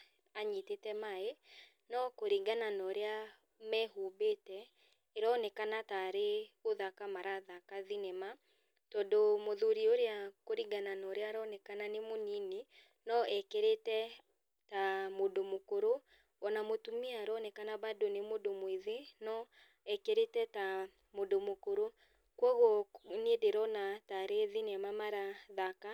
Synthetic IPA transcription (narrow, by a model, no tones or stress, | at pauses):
aɲitetɛmae | nɔkoɾiɡananɔɾea | mɛhubetɛ | eɾɔnɛkanataɾeoðakamaɾaðakaðinɛma | tɔːndomoðuɾioɾeakoɾiɡananɔɾeaɾɔnɛkananemonine | nɔɛkeɾetɛ | tamodomokoɾo | ɔnamotumiaɾɔnɛkanaβadonemodomwiðenɔ | ɛkeɾetɛta | modomokoɾo | kwɔɣonedeɾɔnataɾeðinɛmamaɾaðaka